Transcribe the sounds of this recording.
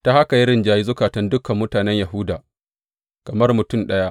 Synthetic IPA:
ta˦ha˦ka˨ji˦ɾɪ˦˨nd͡ʒaː˦ji˦zʊ˦kaː˨tɐ˦ndʊ˦kɐ˨mːʊ˦taː˨nɛ˦ɲja˨ɦʊ˦daː˨ | kɐ˨mɐ˦rmʊ˨tʊ˦˨mɗɐ˦ja˦ʔ

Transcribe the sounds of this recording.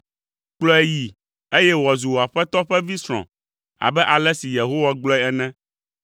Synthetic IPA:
k͡plɔ˦ɛ˦ji˨ | e˦jɛ˦wɔ˨zu˨wo˨a˨ɸɛ˦t̪ɔ˦ɸɛ˦vi˦sɾ̃ɔ̰̃˨ | a̰˨bɛ˦ʔa˨lɛ˦si˨je˨ɦo˦wa˦ɡ͡blɔ˦ɛ˦ɛ˦nɛ̃˦

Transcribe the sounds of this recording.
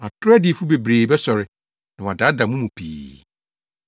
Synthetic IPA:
a˨tʰʊ˦ɾɛ˦dɪ˨fu˦be˨bɾeː˨bɛ˦sɔ˨ɾɪ˨ | nã˨w̃da˨˦da˨mũ˦mũ˨pʰḭː˨

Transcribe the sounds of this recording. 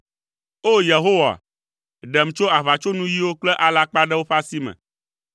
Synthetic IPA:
o˦je˨ɦo˦wa̰˨ | ɖɛ˨m˨t͡ʃo˦a˨βa˨t͡ʃo˦nũ˦ji˦wo˦k͡plɛ˦ʔa˨la˦k͡pa˦ɖɛ˦wo˦ɸa˦si˦mɛ̰̃˨

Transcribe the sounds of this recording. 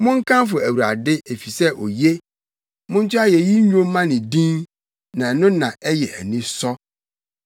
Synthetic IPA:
mʊ̃˦ŋ̩˦kʰã˦mfʊ˨æ˨wu˨ɾa̰˨dɪ˦e˨fi˨sɛ˦ʔɔ˨je˦ | mʊ̃˦n̩˦t͡ɕʰʊ˦a˦jɛ˨ji˦ɲᶣõ˦mː˦ã˦nɪ̃˨dĩ˦n | nã˨ɛ˨nʊ̃˦nã˨ʔɛ˦jɛ˨ɛ̰˨nɪ̃˦sɔ˦

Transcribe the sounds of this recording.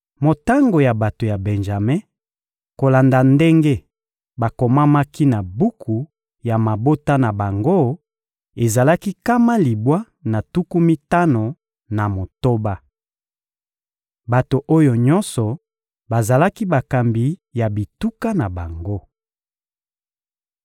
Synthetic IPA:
mo˨ta˦ŋɡo˨ja˨ba˨to˨ja˨bɛ˨nʒa˨me˦ | ko˨la˨nda˨nde˦ŋɡe˦ | ba˨ko˨ma˦ma˦ki˦na˨bu˦kʰu˨ | ja˨ma˨bo˦ta˦na˨ba˨ŋɡo˦ | e˨za˨la˦ki˦ka˦ma˦li˨bwa˦ | na˨tu˦ku˦mi˦ta˦no˨ | na˨mo˨to˦ba˦ | ba˨to˨ʔo˦jo˨ɲɔ˦nsɔ˨ | ba˨za˨la˦ki˦ba˨ka˨mbi˨˦ja˨bi˨tu˦ka˦na˨ba˨ŋɡo˦

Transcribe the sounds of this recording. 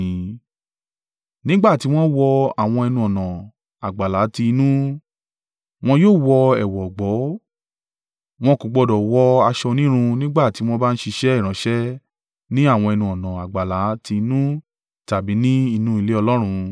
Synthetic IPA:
nĩ˦ɡ͡ba˦˨ti˨˦w̃ɔ̃˦wɔ˧a˨w̃ɔ̃˧ɛ˧nũ˧ɔ˨nã˨ | a˨ɡ͡ba˨la˨˦ti˧nũ˦ | w̃ɔ̃˧joː˦˨wɔ˧ɛ˨wɔ˨ɡ͡bɔ˨˦ | w̃ɔ̃˧ko˨ɡ͡bɔ˧dɔ˨wɔ˧˦a˧ʃɔ˧nĩ˦ɾ̃ũ˧nĩ˦ɡ͡ba˦˨ti˨˦w̃ɔ̃˦ba˦ñ̩˦ʃi˧ʃɛ˦ɛ˦˨ɾ̃ã˨˦ʃɛ˦ | nĩ˦a˦˨w̃ɔ̃˧ɛ˧nũ˧ɔ˨nã˨a˨ɡ͡ba˨la˨˦ti˧nũ˦ | ta˨bi˨˦nĩ˦i˧nũ˦i˦˧le˦ɔ˧lɔ˦ɾ̃ũ˧

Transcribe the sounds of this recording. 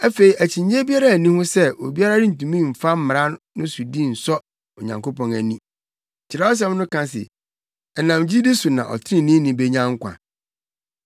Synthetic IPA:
æ˦fe˨i˨ʔæ˨t͡ɕʰĩ˨ɲe˦bi˦a˦ɾa˦˨nĩ˦hʊ̃˦sɛ˦o˨bi˦a˦ɾa˦dɪ˦n̩˨tũ˨mĩ˦˨m̩˨fa˦m̩˦m˨ã˦nː˦ʊ̃˦su˨dĩ˦˨n̩˨sɔ˦ | o˨ɲã̰˨ŋko˦pʰɔ̃˨næ˨nĩ˦˨ | t͡ɕʰɪ˨ɾa˦ɔ˦s̬ɛ˦m˦nʊ̃˦kã˦s̬ɪ̰˨ | ɛ˨nã˨md͡ʑi˦di˦su˨nã̰˨ʔɔ̰˨tʰɪ˦ĩ˦nĩ˦nĩ˨be˦ɲã˦ŋ˦kʷʰã̰˨

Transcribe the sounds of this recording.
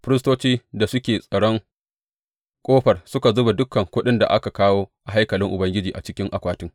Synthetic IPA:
ɸɪ˦ɾɪ˦stoː˦t͡ʃiː˦da˨sʊ˦kʲeː˨sʼɐ˨ɽɔ˦ŋ | kʷʼoː˦ɸɐ˨rsʊ˦ka˨zʊ˦ba˨dʊ˦kːɐ˨ŋkʷʊ˦ɗɪ˦nda̰˨ʔa̰˦ka˨kaː˦woː˦ʔa˨ɦa˦jkɐ˨lɪ˦ŋʔʊ˨bɐ˦ŋɡʲɪ˦d͡ʒiː˨ʔa̰˨t͡ʃɪ˦kʲɪ˦ŋʔa˨kʷaː˦tɪ˦ŋ

